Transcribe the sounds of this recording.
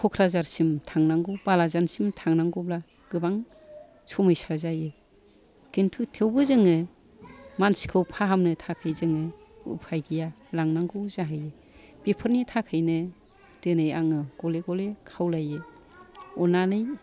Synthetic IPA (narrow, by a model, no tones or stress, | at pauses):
kʰɔkʰɾazaɾsimtʰaŋnaŋɡɯbalazansimtʰaŋnaŋɡɔbla | ɡ̥ɯbaŋ | sɔmɯjsazajɯ | ɡ̥entʰutʰewbɯzɯŋɯ | mansi̥kʰɯwpʰaɦamnɯtʰakʰɯjzɯŋɯ | ṵpʰajɡija | laŋnaŋɡɯwzaɦɯjɯ | b̥ipʰɯɾnitʰakʰɯjnɯ | d̥ɯnɯjaŋɯɡ̥ɔleɡɔlekʰawlajɯ | ɔnanɯj